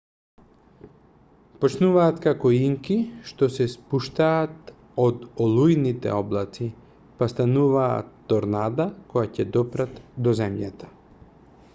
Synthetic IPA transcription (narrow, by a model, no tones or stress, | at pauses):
pɔt͡ʃnuvaːt̪kakɔiŋkiʃt̪ɔsɛspuʃt̪aːt̪ | od̪olˠujnit̪ɛ̰ɔblˠat̪si | past̪anuva̰ːt̪ːɔɾnad̪akɔjacɛd̪ɔpɾat̪d̪ɔzɛmjat̪ḁ